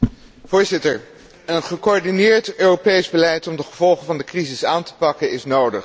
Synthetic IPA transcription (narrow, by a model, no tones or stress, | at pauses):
v̥ʊːɹzɪtəɹ | ənχəkoɔɹdinɪːɹtøːropejzbəlɛjtɔmdəχəvɔlˠχəvɑndəkrizɪsaːntə̥pɑkənɪsnowdəχ